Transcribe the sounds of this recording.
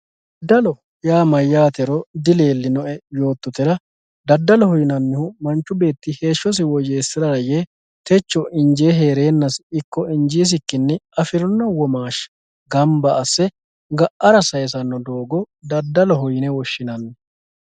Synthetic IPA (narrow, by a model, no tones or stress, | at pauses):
d̪ɐlɔ | jaːmɐjːaːt̪ɛɾɔd̪ɪleːlːɪnɔʔɛjo̞ːt̪ːɔt̪ɛɾɐ | d̪ɐd̪ːɐlɔhʊjɪnɐnːɪhʊmɐnt͡ʃːʊbe̞ːt̪ːɪhe̞ːʃːɔs̬ɪwɔd͡ʒe̞ːsːɪɾɐɾɐje | t̪ɛt͡ʃːɔʔɪnd͡ʒeːɦe̞ːɾe̞ːnːɐsɪkːɔɪnd͡ʒiːs̬ɪkːɪnːɛɐfɪɾɔnːɐwɔmaːʃ | ɡɐmbɐːsːɛ | ɡɐʔɐɾɐsɐjɛs̬ɐnːɔd̪o̞ːɡɔ | d̪ɐd̪ːɐlɔɦʊjɪnɛwɔʃːɪnɐnːɛ